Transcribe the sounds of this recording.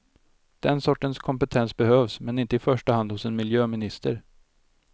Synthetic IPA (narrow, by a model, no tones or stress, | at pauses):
d̪̥ɛnsɔʈːənskʰɔmpət̪ʰɛnsbɛhøːvsmɛnɪnt̪əɪfœʂʈəhand̪hʊsɛnmɪljøːmɪnɪst̪əɾ